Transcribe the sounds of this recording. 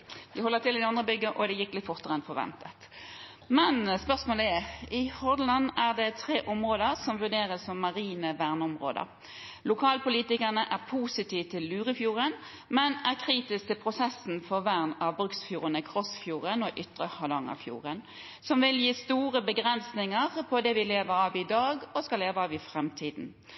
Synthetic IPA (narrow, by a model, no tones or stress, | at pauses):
ʋ̪ɪhɔlːət̪ʰɪlɪd̪ɪɑnd̪ʁəbʏɡːəʔɔd̪ɛjɪkːlɪt̪fɔʁt̪əʁɛnfɔʋɛ̰nt̪ət̪ | mɛnspœʁsmoːləæɪhɔd̪lɑnːæʁd̪ɛt̪ʰɾeːʔɔmʁoːd̪əʁsɔmʋʉʁɖeːʁəsɔmːɑʁiːnəʋæʁnɔmʁo̰ːd̪ə̰ʁ | lʊkʰɑːlpʊliːt̪ɪkəʁnəʔæʁpʰusɪt̪ʰiːʋt̪ʰɪlːʉːɾɪfjuːʁən | mɛnæʁkʰʁiːt̪ɪsk̚t̪ʰɪlpʰʁʊsɛsn̩fɔʁʋæʁnɑʋbɾʁʉksfjuːʁənəkʰʁɔsfjuːʁənɔʔʏt̪ʁəhɑlɑŋə̰fjṵːʁən | sɔmʋɪljiːst̪uːɾəbəɡʁɛnsnɪŋəʁpʰɔd̪ɛʋɪleːʋəɾɑːʋɪd̪ɑːɡɔskɑleːʋəɑːʋɪfʁɛmt̪ʰiːd̪n̩